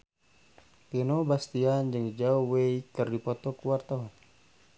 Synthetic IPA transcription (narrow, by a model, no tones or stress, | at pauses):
t̪ɛnobast̪iand͡ʒɨŋd͡ʒaɔweikɨrdipɔt̪ɔkuwart̪aɔn